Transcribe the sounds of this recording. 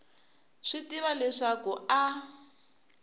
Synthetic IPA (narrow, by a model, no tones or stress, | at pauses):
ʂitiβalɛʂakua